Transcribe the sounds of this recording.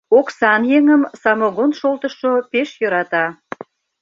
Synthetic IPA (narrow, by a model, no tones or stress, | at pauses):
oksɑnjeŋəmsɑmoɣonʃolt̪əʃopeʃjɤ̆ɾɑt̪ɑ